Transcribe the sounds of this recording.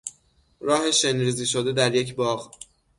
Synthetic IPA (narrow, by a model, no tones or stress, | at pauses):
ɾɒːhe̞ʃenɾiːziːʃod̪e̞d̪æɾje̞cʰbɒːɣ